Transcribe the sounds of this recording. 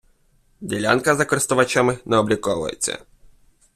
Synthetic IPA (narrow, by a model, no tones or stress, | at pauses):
dʲelʲa̰nkɐzɐkɔɾɪst̪ʊʋɐt͡ʃamɪnɛɔblʲikɔʋʊ̰jḛt͡sʲːɐ̰